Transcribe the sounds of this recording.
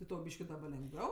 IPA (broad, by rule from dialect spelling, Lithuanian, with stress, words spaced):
tʲɪ ˈtɐʊ ˈbʲiːʃʲkʲɪ dɐˈbɐ lʲɛŋɡˈʋʲɛʊ